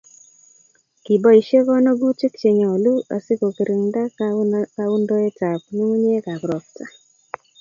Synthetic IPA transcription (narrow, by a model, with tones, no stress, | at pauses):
ki˨bɔ˦i˨ʃe˦kɔ˦nɔ˦ɡu˦t͡ʃɪ˦k̚t͡ʃe˨ɲɔ˨o˨lu˦a̰˨sɪ˦ko˨ki˨ɾi˨ŋnda˦kka˦u˦ndo˦e˦ta˨p̚nu˦ŋ˦ɲe˦ka˨kɾɔ˨kta˦